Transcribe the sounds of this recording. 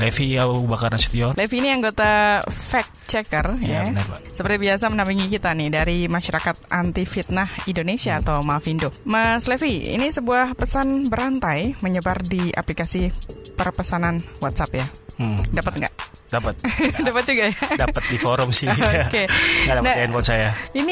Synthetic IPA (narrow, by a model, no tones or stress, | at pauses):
lefiabakarnasi̥t̪iɔrlefiːniaŋɡot̪afɛk̚t͡ʃɛkərjjaasəpərt̪ibias̬amənampiŋikit̪anɪhdaɾimaʃaɾakat̪̚ʔant̪ifit̪̚nahindonesiaːt̪awmafindoməslefiḭnisəbuahpəsanbəɾant̪ajməɲəbardia̰plikasipərpəsananwat̪sapja | dapət̪̚ŋɡa̰ʔ | dapət̪̚dapət̪̚d͡ʒuɡajadapət̪̚difoɾʊmsɪoakeŋadanaankɔsajaini